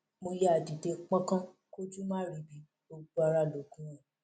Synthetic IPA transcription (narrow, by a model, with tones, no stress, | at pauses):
mo˧je˦a˨di˨te˧k͡pã˦kã˦ | ko˦d͡ʒu˦mãː˦ɾi˨bi˨˦ | o˧ɡ͡bu˦a˧ɾa˦˨lo˨˦kũ˨˦ɾ̃ã˦˨